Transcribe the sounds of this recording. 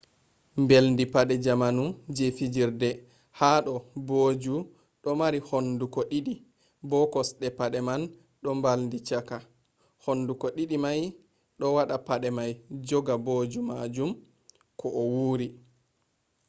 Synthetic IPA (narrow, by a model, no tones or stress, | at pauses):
mbelndipaɗɛd͡ʒamanud͡ʒefid͡ʒiɾdɛ | haːɗɔboːd͡ʒu | ɗɔmaɾihondukɔɗiɗi | bɔkɔsɗɛpaɗɛman | ɗɔmbalndit͡ʃaka | honːdukɔɗiɗimaj | ɗɔwaɗapaɗɛmajd͡ʒɔɡaboːd͡ʒumad͡ʒum | kʰɔʔɔwuːɾi